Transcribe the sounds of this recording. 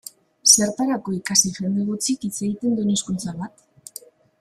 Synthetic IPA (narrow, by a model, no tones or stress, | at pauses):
se̞ɾt̪aɾako̞ikasifɾemeɣut͡sikit͡se̞ɣit̪e̞nd̪ueneskunt͡saβat̪